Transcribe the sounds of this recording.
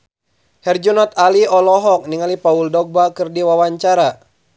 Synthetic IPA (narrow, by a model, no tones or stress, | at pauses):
hɛrd͡ʒunɔt̪̚aliɔlɔɦɔk̚niŋalipauldɔɡ̚bakɨrdiwawaɲt͡ʃaɾa